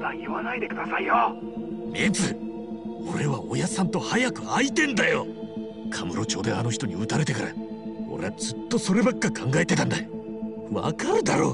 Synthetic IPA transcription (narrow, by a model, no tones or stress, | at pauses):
nãiβanaid̪e̞kɯ̟d̪asaijo | mʲĩnd͡zɨ | o̞ɾe̞βao̞jasãnt̪o̞hajakɯ̟ait̪ẽ̞nd̪ajo̞ | kʰamɯ̟ɾo̞t͡ɕo̞ːd̪e̞ano̞çi̥t̪oɲ̟iɯt̪aɾe̞t̪e̞kaɾa̰ | o̞̰ɾe̞ad͡zɨt̪ːo̞so̞ɾe̞bakkːakʰãŋɡae̞t̪e̞t̪ãnd̪ajo | βa̰kaɾɯ̟d̪aɾo̞ː